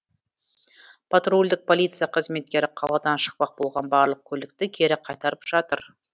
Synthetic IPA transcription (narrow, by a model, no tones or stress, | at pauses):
pʰat̪rulʲd̪ɪk̚pʰo̞lˠijt̪sɨjaqʰəzme̞t̪̚kʲe̞ɾɪqʰɑlˠɑd̪ɑnʃə̥q̚pɑq̚bo̞lˠʁɑnbɑɾlˠəq̚kʲʰɵlɪk̚t̪ɪkʲʰe̞ɾɪqʰɑjt̪ɑɾəpʒ̥ɑt̪əɾ